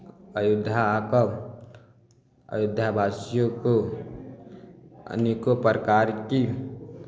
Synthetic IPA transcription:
əjud̪ʱaːkə | ə̰jud̪ʱjabʱasijoko | ə̰nikopɾəkaɾki

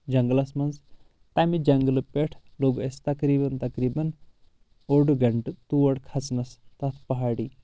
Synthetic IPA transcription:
d͡ʒɐŋɡlɐsmɐnz | t̪amid͡ʒɐŋɡlɨpeʈʰloːɡɐst̪ɐkɾiːbɐnt̪ɐkɾiːbɐn | oɖɡɐɳʈɨt̪uʋɐɽkʰɐt͡snɐst̪ɐt̪ʰpɐɦaːɽiː

